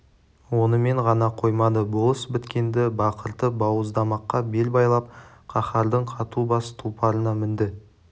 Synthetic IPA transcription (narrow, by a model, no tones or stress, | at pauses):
wo̞nəme̞ɴʁɑnɑqʰo̞jmɑd̪əbolˠəsbɪt̪kʲe̞nd̪ɪbɑqʰəɾt̪əbɑwəzd̪ɑmɑqːɑbe̞lbɑjlˠɑp̚qʰɑχɑɾd̪əɴqʰɑt̪ubɑsə̥t̪ʰupʰɑɾənɑmɪnd̪ɪ